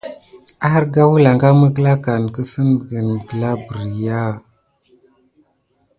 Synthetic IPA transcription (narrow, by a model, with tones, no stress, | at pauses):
a˦ɾɡa˦wu˦la˨ŋɡa˦mə˦kə˦la˦ka˨n˨kə˦sə˦n˨ɡə˨nɡə˨la˦bə˨ɾja˦˨